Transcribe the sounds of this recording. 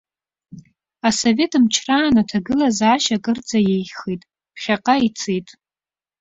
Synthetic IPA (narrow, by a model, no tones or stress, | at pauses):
aso̞ve̞tʰʼɨmt͡ʃʰraːnatʰaɡɨlazaːʃakʼɨrt͡sʼajejχijtʼ | χʲaqʼait͡sʰejtʼ